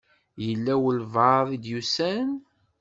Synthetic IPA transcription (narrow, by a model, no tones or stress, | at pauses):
jəlːæwəlvɑðˤid̪jusæn